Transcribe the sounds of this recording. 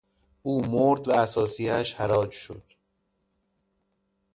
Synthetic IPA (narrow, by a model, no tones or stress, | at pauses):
ʔuːmoɾd̪vææsɒːsijæʃhæɾɒːd͡ʒʃo̰d̪̥